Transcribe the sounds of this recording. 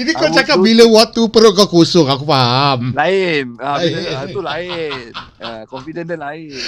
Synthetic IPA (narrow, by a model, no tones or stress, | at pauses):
d͡ʒadikɔt͡ʃakap̚biləwɔt̪upəɾoʔkɔkusʊŋakupaɦmlaɪnaulaɪn | akɔmfidɛndəlaɪ